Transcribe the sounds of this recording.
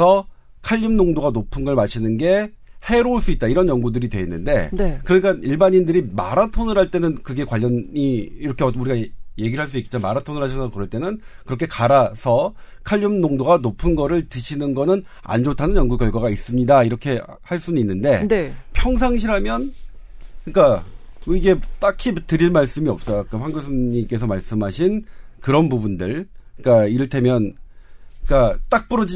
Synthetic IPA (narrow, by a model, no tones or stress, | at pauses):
ʌ | kʰaʎːimnoŋdoɡanopʰɯnɡʌɭmaɕʰinɯnɡe̞ | he̞ɾoɭs͈uit̚t͈aiɾʌnjʌŋɡudɯɾidwe̞ːnːɯnde̞̰nekɯɾʌɲik͈aiɭbaɲindɯɾima̰ɾatʰonɯɾɦaɭt͈e̞nɯnkɯɡe̞kwaʎːʌniːɾʌkʰeʌuɾiɡaje̞ɡiɾɭɦaɭs͈uik͈e̥t͡ɕ͈omaɾatʰonɯɾɦaɕʰanaokɯɾʌɭt͈e̞nɯnkɯɾʌkʰe̞kaɾasʰʌ | kʰaʎːɯmnoŋdoɡanopʰɯnɡʌɾɯɭtɯɕʰinɯnɡʌnɯn | a̰nd͡ʑotʰanɯnjʌŋɡukjʌɭɡwaɣais͈ɯmɲidaiɾʌkʰe̞ | haɭs͈uninːɯnde̞nepʰjʌŋs̬ʰaŋɕ̬ʰiɾɦamjʌn | ɲik͈a | iɡe̞t͈akʰitɯɾiɭmaɭs͈ɯmiʌp̚s͈ʌjok͈aɸwaŋɡosʰoɲimk͈e̞s̬ʰʌmaɭs͈ɯmɦaɕʰinkɯɾʌnbubundɯɭk͈aiɾɯɭtʰe̞mjʌn | k͈at͈ak̚p͈uɾʌd͡ʑi